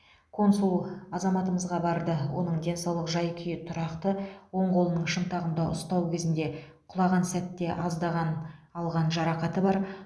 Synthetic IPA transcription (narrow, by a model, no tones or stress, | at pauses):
kʰo̞nsulˠɑzɑmɑt̪əməzʁɑbɑɾd̪əwo̞̰nəɴd̪ʲe̞nsɑwlˠəqʒɑjkʲʰʏjɪt̪ʰʊɾɑqt̪əwo̞ɴqʰo̞lˠənəɴʃənt̪ɑʁənd̪ɑʔʊst̪ɑwkʲʰezɪnd̪e̞ | qʰʊlˠɑʁɑnsæt̪ːe̞ʔɑzd̪ɑʁɑnɑlˠʁɑnʒɑɾɑqɑt̪əbɑɾ